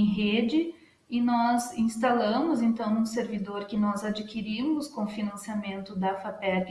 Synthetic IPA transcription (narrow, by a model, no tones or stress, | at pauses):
j̃ɦed͡ʒɪ | ɪnɔzĩst̪alɐ̃mʊzẽnt̪ɐ̃w̃nũseɾvid̪oɾkɪnɔzad͡ʒikiɾimʊskõfinɐ̃siamẽnt̪ʊd̪ɐfapɛt̪